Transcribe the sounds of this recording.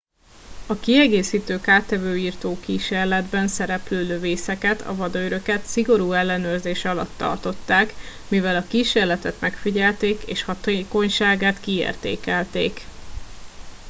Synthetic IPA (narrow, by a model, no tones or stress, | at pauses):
ɒkiɛɡeːsiːt̪øːkaːt̪ɛvøːiːrt̪oːkiːʃeːrlɛd̪bɛnsɛɾɛpløːløveːsɛkɛt̪ʰɒ̰vɒd̪ɒøɾøkɛt̪siɡo̞ɾuːɛlːɛnøːrzeːʃɒlɒ̰t̪ːɒ̰rt̪o̞t̪ːaːk | mivɛlɒkiːʃeːrlɛt̪ɛt̪mɛkfiɟɛlt̪eːkḛːʃhɒt̪ːko̞ɲʃaːɡaːt̪kiḛːrt̪ḛːkɛlt̪ḛːk